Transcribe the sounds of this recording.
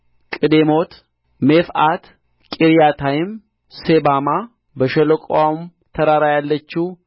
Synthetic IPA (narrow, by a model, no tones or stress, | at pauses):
kʼɨd̪emo̞t̪ | mefat̪ | kʼiɾijat̪ʰajɪm | sebama | bəʃɛləkʼwam | t̪ʰəɾaɾajalːət͡ʃːu